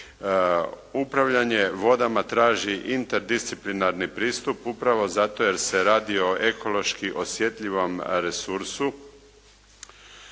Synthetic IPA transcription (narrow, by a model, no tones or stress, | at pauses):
upɾaʋʎaɲe̞ʋo̞d̪amat̪ɾaːʒiʔint̪eɾd̪ist̪siplinaɾnipɾiːst̪upupɾaʋo̞zat̪o̞je̞ɾse̞ɾaːd̪io̞ʔe̞ko̞lˠo̞ʃkiʔo̞sje̞t̪ʎʲiʋo̞mɾesuɾsu